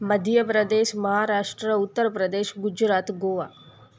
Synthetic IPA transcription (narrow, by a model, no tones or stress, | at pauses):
mɐd̪ʱjəpɾɐd̪eːʃmɐɦaːɾaːʂʈɾəut̪ːəɾpɾɐd̪eːʃɡud͡ʒɾaːt̪ɡoːʋa̰ː